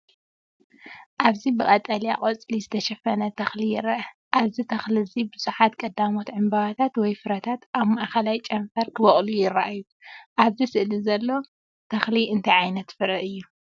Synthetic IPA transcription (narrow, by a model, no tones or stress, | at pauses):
ʔaβzibɨkʼɐt̪ʼɐlija̰kʼot͡sʼlizɨt̪ʰɐʃɐfɐnɐt̪ʰɐxlijɪrɐʔɐ | ʔaβzit̪ʰɐxlizibɨz̥uħat̪kʼɐd̪amo̞t̪ʕɨmbaβat̪ʰat̪wɔjfɨɾɐt̪ʰat̪ʔaβmaʔkɐlajt͡ʃʼɐɱfɐɾkʰɨβɐχʼlujɪrːɐ̰ʔaju | ʔaβzisɨʔlizɐlːo̞ | t̪ʰɐxliɨnt̪ʰɐjʕajnɐt̪fɨɾɐʔɨjːu